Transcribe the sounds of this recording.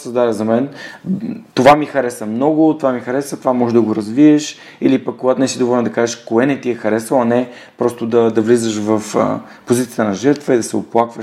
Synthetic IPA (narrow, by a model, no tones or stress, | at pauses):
səzd̪aɾʲəzɐmɛn | t̪ovamixɐɾɛsəmnɔɡʊt̪ovamixɐɾɛsət̪ovamɔʒɛd̪ɐɡoɾɐzviɛʃ | ilipɐkːoɡat̪ʊnɛsid̪ovɔlʲnd̪ɐkaʒɛʃkoɛnɛt̪iɛxɐɾɛsəɐnɛ | pɾɔst̪ʊd̪ɐd̪ɐvlizəʃvɐf | pozit̪siə̥t̪ənɐʒɛɾt̪vəid̪ɐsɛoplˠakvəʃ